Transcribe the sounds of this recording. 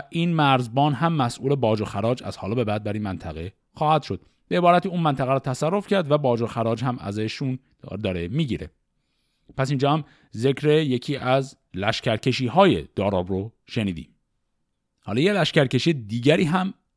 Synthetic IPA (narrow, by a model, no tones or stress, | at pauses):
ʔiːnmæɾzbɒːnɦæmːæsʔuːle̞bɒːd͡ʒoxæɾɒːd͡ʒæ̰z̥hɒ̰ːlɒbe̞bæːd̪̚bæɾiːnmænt̪ʰæɣe | xɒːhæd̪̥ʃo̞d̪̥ | b̥eebɒːɾæt̪iːuːnmænt̪ʰæɣæɾɔːt̪ʰæsærːofcʰæɾd̪væbɒːd͡ʒoxæɾɒːd͡ʒhæmæ̰zeʃun | d̪ɒːɾemiːɟiːɾe̞̰ | pʰæs̬ind͡ʒɒːhæm | ze̞cɾeje̞cʰiːʔæz | læʃcʰæɾcʰe̞ʃiːhɒːjḛd̪̥ɒːɾɒːbɾo | ʃe̞niːd̪ḭːm | hɒ̰ːlɒːjelæʃcæɾce̞ʃiːjed̪iːɟæɾiːɦæm